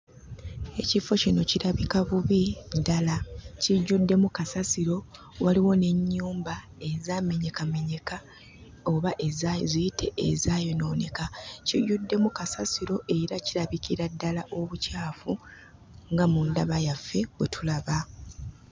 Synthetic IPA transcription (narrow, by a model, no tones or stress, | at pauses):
e̞cifo̞cino̞ciɾaβikaβuβidalaciɟːudːe̞mukasasiɾo̞ | waliwo̞ne̞ɲːuːmba | e̞zame̞ɲe̞kame̞ɲe̞ka | o̞βaʔezajzijitʰe̞ḛzaːjo̞no̞ːne̞kaciɟːudːe̞mukasasiɾo̞ʔe̞ɾaciɾaβikiɾadːalaʔo̞βucaːfu | ŋɡamundaβajafːe̞βwetʰulaβa